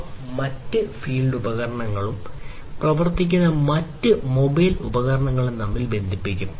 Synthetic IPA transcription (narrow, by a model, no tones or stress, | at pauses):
mɐtːɨfiːlɖubɐɣɐɾɐɳɐŋːɐɭum | prɐʋɐrt̪ːikʲːunːɐmɐtːɨmobɐjlubɐɣɐɾɐɳɐŋːɐɭenɐmːilbe̞nd̪ʱipːikʲːum